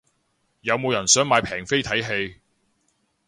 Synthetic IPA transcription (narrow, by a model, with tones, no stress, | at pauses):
jɐ˨˧wmo˨˧wjɐ˨˩nsœː˨˥ŋmaː˨˧jpʰɛː˨˩ŋfe˥jt̪ʰɐ˨˥jɦe˧j